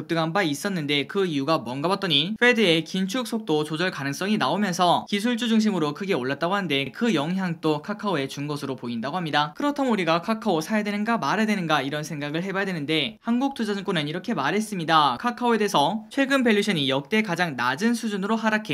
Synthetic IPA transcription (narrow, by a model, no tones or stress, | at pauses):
ɯk̚t͈ɯɡanbais͈ʌnːɯnde̞kɯiuɡamwʌnɡabat̚t͈ʌɲifʰe̞dɯe̞kint͡ɕʰuk̚s͈ʰok̚t͈ot͡ɕod͡ʑʌɭkanɯŋs͈ʌŋinaomjʌnsʰʌkis̬ʰuɭt͡ɕ͈ud͡ʑuŋɕ̬ʰimɯɾokʰɯɡe̞oɭːat̚t͈aɡoɦanɯnde̞kɯjʌŋɦjaŋt͈okʰakʰaoe̞t͡ɕunɡʌsʰɯɾopoindaɡoɦamɲidakɯɾʌtʰamuɾiɡakʰakʰaosʰajedwe̞nɯnɡamaɾedwe̞nɯnɡaiɾʌnsʰe̞ŋɡaɡɯɭɦe̞bajadwe̞nɯnde̞hanɡuk̚t͈ʰud͡ʑad͡ʑɯŋk͈onɯniɾʌkʰe̞maɾɦe̞s͈ɯmɲidakʰakʰaoe̞de̞sʰʌt͡ɕʰwe̞ɡɯnpe̞ɭːiɕʰʌɲijʌk̚t͈e̞kad͡ʑaŋnad͡ʑɯnsʰud͡ʑunɯɾoɦaɾakʰe